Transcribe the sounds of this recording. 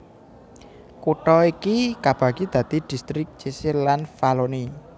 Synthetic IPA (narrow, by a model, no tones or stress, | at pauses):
kuʈɔikikab̥ä̤ɡ̥id̪̥ä̤d̪̥i̤d̪̥i̤st̪ɾɪk̚t͡ʃisɪlːanfaloni